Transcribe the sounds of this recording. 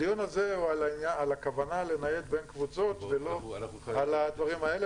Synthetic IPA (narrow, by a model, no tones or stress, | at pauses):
ijonazealainjaalakavanale̞naje̞t̪be̞nkvut͡so̞t̪velo̞ | alad̪vaʁimaele